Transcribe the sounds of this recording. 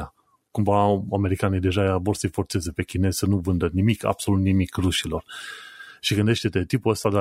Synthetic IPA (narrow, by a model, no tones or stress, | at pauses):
a | kumvaame̞ɾikanijd̪e̞ʒajavo̞rsəjfo̞rt̪se̞ze̞pe̞kʲine̞z̥sənuvɨnd̪ənimikʰa̰b̥so̞lut̪nimikruʃilo̞r | ʃiɡɨnd̪e̞ʃt̪e̞t̪e̞t̪ipuəst̪ad̪